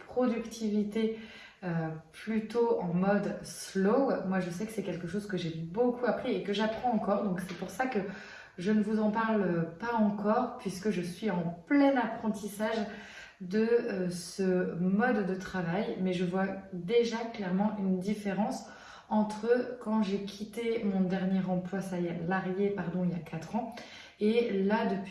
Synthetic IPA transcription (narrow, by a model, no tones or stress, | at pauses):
pχɔd̪ykt̪ʰivit̪e | øplyt̪oɑ̃mɔd̪slomwaʒəsɛkə̥sɛkʲɛlkəʃozkəʒebokuapχiekəʒapχɑ̃ɑ̃kɔʁd̪ɔ̃ksɛpuʁsakə | ʒənəvuzɑ̃paʁlpaɑ̃kɔʁpɥiskəʒəsɥiɑ̃plɛnapχɑ̃t̪isaʒ | d̪əsəmɔd̪ːət̪χavajmɛʒəvwad̪eʒaklɛʁmɑ̃ʔynd̪ifeʁɑ̃s | ɑ̃t̪χəkɑ̃ʒekʲʰit̪emɔ̃d̪ɛʁnjɛʁɑ̃plwasajɛlaʁjepaʁd̪ɔ̃iljakʰat̪χɑ̃ | elad̪əp